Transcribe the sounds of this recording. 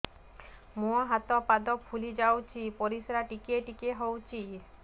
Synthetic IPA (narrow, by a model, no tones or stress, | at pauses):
moaɦat̪ɔpad̪ɔpʰulid͡ʑawt͡ɕʰipoɾisɾaʈikeʈikeɦowt͡ɕʰi